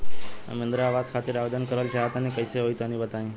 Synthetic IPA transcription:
mẽnd̪ɾaːʋazkʰaːt̪ɪɾaːʋed̪ənkəɾəlt̪ʰjaɦət̪anekəɪseɦoit̪ãnĩbət̪aːĩː

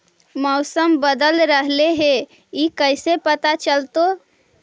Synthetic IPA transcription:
mɔʊsəmbəd̪əlɾəɦleɦe | ikəɪsepət̪at͡ʃəlt̪o

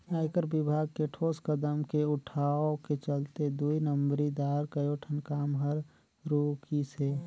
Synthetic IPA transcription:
aːɪkəɾbɪbʱaːɡ̚keʈʰoːskəd̪əmkeʊʈʰaoket͡ʃəlt̪ed̪uinəmbɾid̪aːɾkəjoʈʰənkaːmɦəɾ | ɾukise

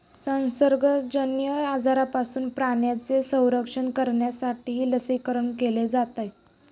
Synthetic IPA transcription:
sə̃ñsəɾɡəd͡ʑənjəad͡zaɾapasuːnpɾaɳjat͡sesə̃w̃ɾəkʂəɳkəɾɳjasaʈiːɦiːləsikəɾəɳkeled͡zat̪aj

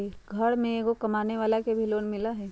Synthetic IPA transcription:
iɡʱɐɽmẽɡokɐmaːneʋaːlakebʱiloːnmɪlaɦɛː

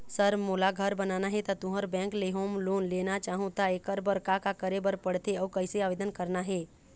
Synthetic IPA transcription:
səɾmoːlaɡʱəɾbənaːnaɦɛt̪at̪ʊ̃ɦəɾbɛ̃ːŋkleɦõmloːnleːnat͡ʃaːɦũt̪aekəɾbəɾkakakəɾebəɾpəɽt̪eɔːkəɪseaːʋeːd̪ənkəɾnaɦɛː

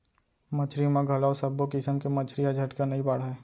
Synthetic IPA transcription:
mət͡ʃʰɾimãɡʱɐlaːosəbokɪsəmkemət͡ʃʰɾiad͡ʒʱɐʈkanɐĩbaɽ̤ɛː

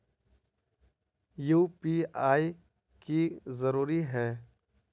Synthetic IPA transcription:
juːpiːaːi | kizəɾuːɾiɦɛː

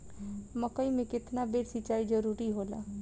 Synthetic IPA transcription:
məkəimẽkɪt̪nabeːʈsɪt͡ʃaːid͡ʒəɾuːɾiɦoːla̰ː

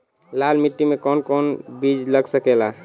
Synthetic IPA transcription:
lalmiʈːimekɔnkɔnbid͡ʒləɡsəkela

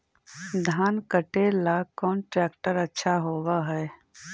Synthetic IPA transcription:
d̪ʱaːnkəʈelakɔːnʈɾɛːkʈəɾɐtːʃʰaɦoːwaɦɛː

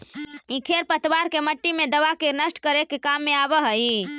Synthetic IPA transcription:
ĩkʰeːɾpət̪ʋaːɾkeməʈːimẽd̪əʋakenəsʈkəɾekekaːmːẽaːbəɦəi

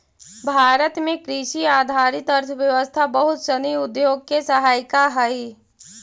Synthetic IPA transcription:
bʱaːɾət̪mẽkɾɪʃiaːd̪ʱaːɾɪt̪əɾt̪ʰʋjɐʋəst̪ʰabəɦʊt̪ʃəniʊd̪joːɡ̚kesəɦaːjkaɦɐi

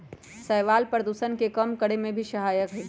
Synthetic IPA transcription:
səɪʋaːlpɾəd̪usənkekəmkəɽemẽbʱiʃəɦaːjəkɦɛː

